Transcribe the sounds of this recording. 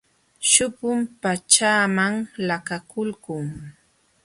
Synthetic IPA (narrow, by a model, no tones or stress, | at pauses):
ʃʊpʊmpat͡ʃaːmaŋlakakʊlkʊŋ